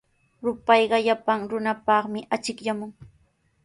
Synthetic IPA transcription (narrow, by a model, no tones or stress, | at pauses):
ɾʊpɑjɢɑʎapaŋɾʊnapɑχmɪʔat͡ʃɪkʎamʊŋ